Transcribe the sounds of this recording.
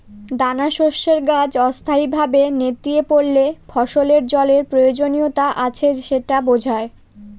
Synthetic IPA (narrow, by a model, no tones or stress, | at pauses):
d̪anaʃoʃːeɾɡad͡ʑɔst̪ʰaibʱabenet̪ːiepoɽlefʰɔʃoleɾd͡ʑɔleɾpɾojod͡ʑoniot̪aʔat͡ɕʰeʃeʈabod͡ʑʱae